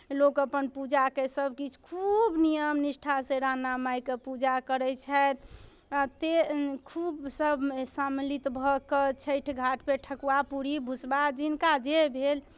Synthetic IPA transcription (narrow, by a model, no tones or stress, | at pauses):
lokəpənpud͡ʒakesəbʱkit͡ʃʰkʰubnijəmnisʈʰaseɾanamajkepud͡ʒakəɾɛt͡ʃʰɛt̪ | at̪ekʰubsəbʱsamlit̪bʱɔkət͡ʃʰəjʈʰɡʱaʈʰpeʈʰəkuwapuɽibʱusbad͡ʒinkad͡ʒebʱel